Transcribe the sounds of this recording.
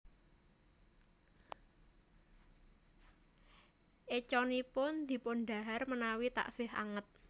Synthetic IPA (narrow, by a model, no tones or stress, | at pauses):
ʔet͡ʃɔnipʊnd̪̥i̤pʊnɖ̪a̤ɦarmənawit̪a̰ʔsɪha̰ŋət̪̚